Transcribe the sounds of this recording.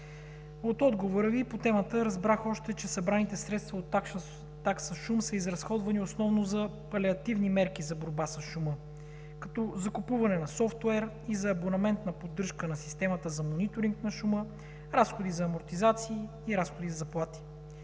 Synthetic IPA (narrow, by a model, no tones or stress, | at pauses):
ot̪ɔd̪ɡovoɾəvipot̪ɛmət̪əɾɐzbɾaxɔʃt̪ɛt͡ʃɛsɐbɾanit̪ɛsɾɛt̪st̪vɐot̪ | t̪ːaksəʃumsəizɾɐsxɔd̪vɐniosnɔvnozɐpɐlɛɐt̪ivnimɛɾkizɐboɾbasɐsʃumə | kɐ̥t̪ɔzɐkupuvɐnɛnɐsɔft̪wɛɾ | izɐːbonɐmɛnt̪nɐpod̪ːɤɾʃkənɐsi̥st̪ɛmət̪əzɐmonit̪oɾiŋknɐʃumə | ɾasxod̪izɐːmoɾt̪izat̪siː | ɾasxod̪izzɐplˠat̪i̥